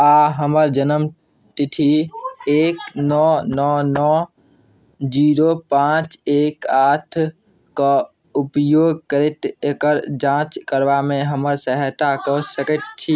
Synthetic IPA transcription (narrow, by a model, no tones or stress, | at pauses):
aɦəməɾd͡ʒənəm | t̪iʈʰieːknɔnɔnɔ | d͡ʒiːɾopãːt͡ʃeːkat̪ʰ | kɔ | upjoːɡkəɾit̪ekəɾd͡ʒãːt͡ʃkəɾʋamẽɦəməɾsəɦɛt̪akɔsəkət̪̚t͡ʃʰi